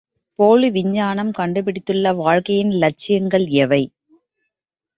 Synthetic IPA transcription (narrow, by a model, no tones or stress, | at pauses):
poːɻɯʋɪɲːaːnɐmkɐɳɖɯpɪɽɪt̪ːɯɭːɐʋaːɻkɐjɪnlɐt͡ʃːɪjɐŋɡɐɭɛʋɐɪ